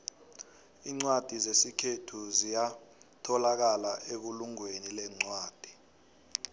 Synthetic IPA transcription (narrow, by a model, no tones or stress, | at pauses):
iːŋ͡ǀwad̥ʱizesikʰetʰuzijatʰɔlak̬alaʔek̬uluŋwenilɛŋ͡ǀwaːd̥ʱi̥